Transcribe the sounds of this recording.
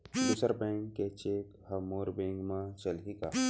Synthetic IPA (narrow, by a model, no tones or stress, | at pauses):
d̪usəɾbẽŋkːet͡ʃeːkhɐmoːɾbẽːŋɡmãt͡ʃɐlɦikaː